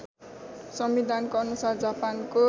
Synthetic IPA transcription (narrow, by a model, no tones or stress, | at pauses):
sʌmbid̪ʱankoʌnusard͡zapanko